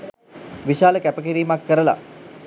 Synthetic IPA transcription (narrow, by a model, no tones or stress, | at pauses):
ʋiʃaːləkæpək̬iɾiːmakːəɾəla̰